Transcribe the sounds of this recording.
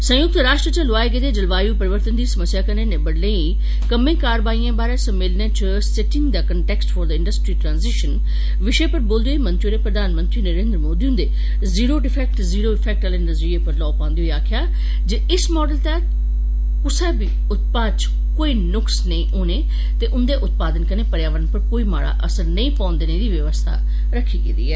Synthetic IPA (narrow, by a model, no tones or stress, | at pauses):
sə̃jʊk̚t̪ɾaːʃʈɾət͡ʃəlʊaːeked̪eːd͡ʒəlʋaːjũːpəɾɪʋəɾt̪ənd̪iːsəməsːjaːkənẽːnẽːbəɽlẽːiː | kəmẽːkaːɾʋaːiːãːbaːɾeːsəmːɪlnẽːt͡ʃ | sɪʈɪ̃ŋɡd̪aːkəɳʈɛːksʈfʰɔːɾd̪əɪ̃ɳɖəsʈɾiːʈɾãːnzɪʃən | ʋɪʃeːpəɾboːld̪eoːmə̃nt̪ɾioːɾeːpɾəd̪aːnmə̃nt̪ɾiːnəɾẽːnd̪ɾəmoːd̪iːɦʊ̃nd̪eː | ziːɾoːɖɪpʰɛːk̚ʈziːɾoːɪpʰɛːk̚ʈaːleːnəzɾiːeːpəɾlɔːpãːnd̪iːɦoiːaːkʰjaː | d͡ʒeɪsmɔːɖəlt̪ɛː | kʊsɛːbiː | ʊt̪̚paːdt͡ʃ | koːiːnʊksnəĩːʔoːneː | t̪eːʔʊnd̪eːʔʊt̪̚paːd̪ənkəneːpəɾjaːʋənpəɾkoːiːma̰ːɽa̰ːʔəsəɾnəĩːpãːnd̪eːneːd̪iːʋəʋəst̪ʰa̰ː | ɾəkʰːiːɡed̪ḭːɛː